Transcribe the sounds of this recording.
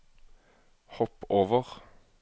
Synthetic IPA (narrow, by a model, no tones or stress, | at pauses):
hɔpoːʋəʁ